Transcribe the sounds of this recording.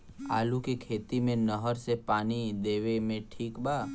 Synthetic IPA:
aːlukekʰeːt̪imẽnəɦəɾsepaːnid̪eːʋemẽʈʰiːkbaː

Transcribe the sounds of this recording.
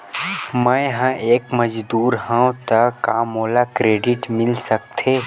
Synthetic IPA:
mə̃jɦãʔeːkməd͡ʒd̪uːɾɦãt̪əkaːmoːlakɾeːɖɪʈmɪlsək̚t̪ʰeː

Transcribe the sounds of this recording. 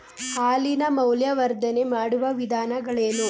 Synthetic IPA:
haːlinɐmɐwljɐʋɐɾd̪ʱɐne̞maːɽuʋɐʋid̪ʱaːnɐɡɐɭeːnu

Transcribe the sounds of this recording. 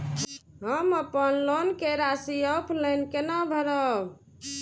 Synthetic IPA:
ɦəməpənlonkeɾasiəpʰlənkenabʱəɾəb

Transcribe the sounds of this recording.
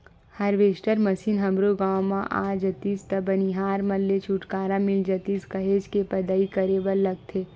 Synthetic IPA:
hɐɾʋeːsʈəɾmɐsiːnɦɐ̃mɾoɡaːwmãʔa̰ːd͡ʒət̪iːst̪ɐbɐniɦaːɾmɐlːet͡ʃʰuʈkaːɾãmɪld͡ʒɐt̪iːskɐɦeːd͡ʒkepɐd̪aːikɐɾeːbəlːɐɡ̚t̪ʰeː

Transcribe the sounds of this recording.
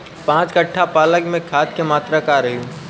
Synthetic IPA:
pãːt͡ʃkəʈʰːapaːləɡmẽkʰaːt̪kemaːt̪ɾakaɾəɦiũ

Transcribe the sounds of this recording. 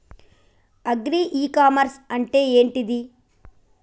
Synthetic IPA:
ɐɡɾiʔiːkaːmɐɾsɐɳʈeeːɳʈid̪i

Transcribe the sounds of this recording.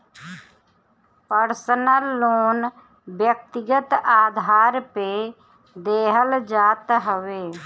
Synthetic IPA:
pəɾsənəlːoːn | bjək̚t̪ɪɡət̪aːd̪ʱaːɾpe | d̪eːɦəld͡ʒaːt̪ɦəʋeː

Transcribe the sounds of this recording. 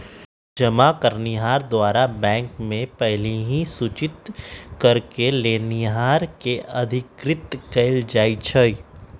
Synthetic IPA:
d͡ʒɐmakəɾniɦaːɾd̪waːɾabɛ̃ːŋkmẽpɛɦleɦĩsut͡ʃɪt̪kɐɾkeleːniɦaːɾkeʔɐd̪ʱɪkɾɪt̪kɐɪld͡ʒaːit͡ʃʰəi

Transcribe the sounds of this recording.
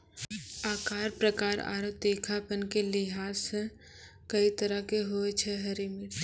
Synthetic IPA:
aːkaːɾpɾəkaːɾa̰ːɾot̪eːkʰapənkelɪɦaːs | kɐit̪əɾəkeɦoet͡ʃʰɛɦɐɾimɪɾ

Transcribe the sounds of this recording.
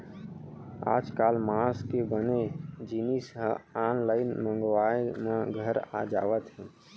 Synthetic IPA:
a̰ːd͡ʒkaːlmaskebəned͡ʒinisəɦaːnlaːɪnmə̃ŋɡwaːjemãɡʱəɾa̰d͡ʒa̰ːʋət̪ɦɛ̃ː

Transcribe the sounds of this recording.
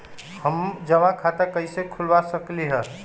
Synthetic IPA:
həmd͡ʒəʋãkʰat̪əkəjsekʰulbasəkliɦə

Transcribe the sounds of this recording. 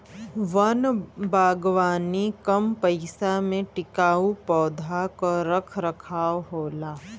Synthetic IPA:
ʋɐnbaːɡʋaːnikɐmpɐɪsamẽʈɪkaːupɔːd̪ʱakoɾɐkʰɾɐkʰaːɦoːlaː

